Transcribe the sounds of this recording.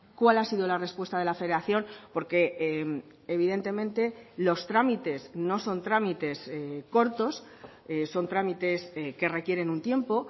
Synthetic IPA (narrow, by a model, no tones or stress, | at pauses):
kwalasiðolare̞spwe̞st̪að̞e̞lafe̞ðeɾaθjo̞npo̞ɾke̞m | eβiðe̞nt̪e̞mẽnt̪e̞lo̞st̪ɾamit̪e̞sno̞so̞nt̪ɾamit̪e̞sko̞ɾt̪o̞s | eso̞nt̪ɾamit̪e̞ske̞re̞kje̞ɾe̞nunt̪je̞mpo̞